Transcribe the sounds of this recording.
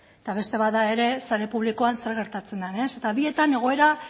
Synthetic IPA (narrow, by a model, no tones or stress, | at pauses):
et̪aβ̞e̞st̪e̞βad̪ae̞ɾe̞saɾe̞puβliko̞anse̞ɾɣ̞e̞ɾt̪at͡se̞nd̪ane̞se̞t̪aβie̞t̪ane̞ɣ̞o̞e̞ɾa